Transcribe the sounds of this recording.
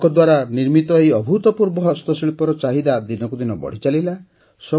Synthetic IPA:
kɔd̪waɾaniɾmit̪ɔejɔbʱut̪ɔpuɾbɔɦɔst̪ɔsiɭipɔɾɔt͡ʃaɦid̪ad̪inɔkud̪inɔbɔ̰ɽ̤it͡ʃalila | sɔ

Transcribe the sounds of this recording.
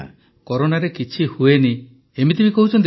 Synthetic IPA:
kɔɾonaɾekit͡ʃʰihueni | emit̪̬ibikɔɦut͡ʃʰɔnt̪

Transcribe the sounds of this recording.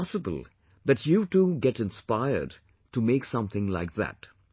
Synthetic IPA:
səbə̰l̩ˠ | ðætʰjutuːɡɛɾɨ̃nspaɪə̰˞d | ʈumeɪksʌ̃mθɪ̃ŋlaɪk̚ðæ̰t

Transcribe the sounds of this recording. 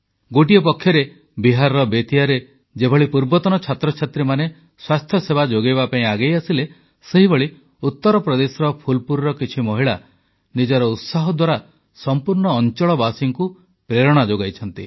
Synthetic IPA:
ɡoʈiɔpɔkʰjɔɾe | biɦaɾɔɾɔbet̪iaɾe | d͡ʒebʱɔɭipuɾbɔt̪ɔnɔt͡ʃʰat̪ɾɔt͡ʃʰat̪ɾimane | swast̪ʰjɔsebad͡ʒoɡejbapaĩaɡejasile | seɦibɔɭi | ut̪ːɔɾɔpɾɔd̪esɔɾɔpʰulpuɾɾɔkit͡ʃʰimɔɦiɭa | nid͡ʒɔɾɔut̪saɦɔd̪waɾa | sɔmpuɾɳɔːnt͡ʃɔɭɔbasiŋku | pɾeɾɔɽ̃ad͡ʒoɡajt͡ʃʰɔnt̪ḭ

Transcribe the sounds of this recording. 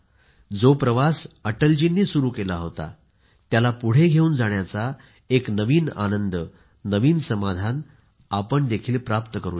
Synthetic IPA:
d͡zopɾəʋasəʈəld͡ʑinːiːsuɾuːkelaɦot̪a̰ | t̪jalapuɽ̤eɡʱeuːnd͡zaɳjat͡sa | eknəʋiːna̰nənd̪əː | əʋiːnsəmad̪ʱan | apəɳd̪ekʰiːlpɾapt̪əkəɾuː

